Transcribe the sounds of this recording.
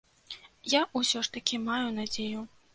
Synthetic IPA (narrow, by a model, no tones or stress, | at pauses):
jaʔusʲɔʂt̪ɐkʲimajunad͡zʲeju